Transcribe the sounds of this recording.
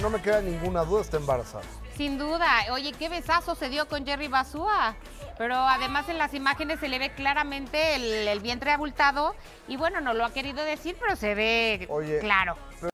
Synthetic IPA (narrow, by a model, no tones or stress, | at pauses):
no̞me̞keðanĩŋɡunaðuðaest̪aembaɾa̰sa̰ðo | sind̪uðao̞ʝeke̞βe̞saso̞se̞ðjo̞ko̞nd͡ʒe̞riβasua | pe̞ɾo̞aðe̞mase̞nlasimaxe̞nesːe̞le̞βe̞klaɾamẽ̞nt̪e̞ːlelβje̞nt̪ɾe̞aβult̪aðo̞ | iβwe̞no̞no̞lo̞ake̞ɾiðo̞ðe̞siɾpe̞ɾo̞se̞βe̞oʝeklaɾo̞ | p